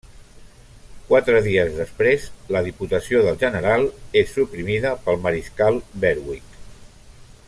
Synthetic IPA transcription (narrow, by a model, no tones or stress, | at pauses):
kwat̪ɾəðiəzðəspɾezləðiput̪əsioðəlˠʒənəɾalˠesːupɾimiðəpəlˠməɾiskalˠbɛɾwik